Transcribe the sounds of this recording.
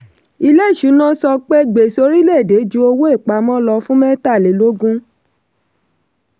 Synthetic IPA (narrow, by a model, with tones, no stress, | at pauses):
i˧le˦i˦˨ʃu˨˦nã˦sɔ˧k͡pe˦ɡ͡be˨so˧˦ɾi˦lɛ˦˨de˨˦d͡ʒu˦o˧wo˦e˦˨k͡pa˨˦mɔ̃˦lɔ˧fũ˦mɛ̃˦ta˦˨le˨˦lo˦ɡũ˦